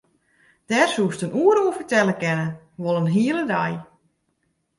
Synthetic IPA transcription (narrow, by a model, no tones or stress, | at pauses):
d̥ɛrsuəstənuəɾuəfərtɛləkɛnə | ʋolˠənɦiələdaj